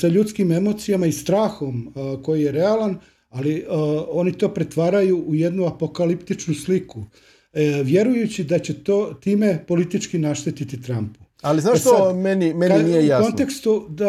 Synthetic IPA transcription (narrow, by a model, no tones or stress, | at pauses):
saʎut̪skime̞mo̞t̪sijamaist̪ɾaːxo̞mko̞jije̞ɾe̞alan | alio̞nit̪o̞ːpɾe̞t̪ʋaːɾajuʔːje̞d̪nuapo̞kalipt̪it͡ʃnusliku | ʋje̞ɾujut͡ɕid̪at͡ɕet̪oːt̪iːme̞po̞lit̪it͡ʃkinaʃt̪et̪it̪it̪ɾampu̥ | aliznat̪omenimeninnijejaont̪e̞kst̪ud̪a